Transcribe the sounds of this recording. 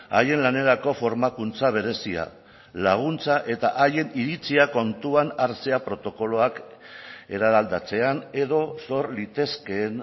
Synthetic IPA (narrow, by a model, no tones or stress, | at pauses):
a̰je̞nlane̞ɾako̞fo̞ɾmakunt͡saβ̞e̞ɾe̞sia̰ | laɣ̞unt͡saʔe̞t̪aʔaje̞niɾit͡siako̞nt̪uanaɾt͡se̞apɾo̞t̪o̞ko̞lo̞ak | e̞ɾaðald̪at͡se̞ane̞ðo̞so̞ɾlit̪e̞ske̞ːn